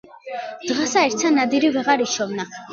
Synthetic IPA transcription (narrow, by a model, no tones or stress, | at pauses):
d̪̥ʁasaɛɾt̪sʰanad̪iɾivɛʁaɾiʃɔvna